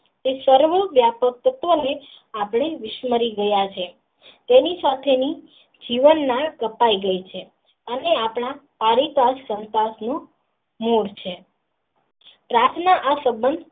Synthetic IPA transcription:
esəɾʋəʋjapəkt̪ət̪ʋəne | apɽ̃eʋɪʃməɾiɡəjat͡ʃʰe | t̪enisat̪ʰeni | d͡ʒiʋənːãkəpaiɡəit͡ʃʰe | əneapɽ̃apaɾit̪asːənt̪asnũ | muɽt͡ʃʰe | pɾaɾt̪ʰnaʔasəbənd̪ʱ

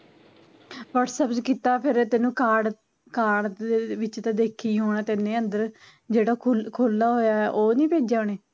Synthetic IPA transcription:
ʋəːʈsəpt͡ʃkiːt̪aːpʰɪɾt̪ɪnũːkaːɽ | kaːɽʋɪt͡ʃt̪ãːd̪eːkʰːiːɦoːɽɛːt̪ɪnːẽːənd̪əɾ | d͡ʒeːɽaːkʰːkʰoːlːaːɦoːjaːɛʔoːnĩːpeːd͡ʒd͡ʒaːɳeː

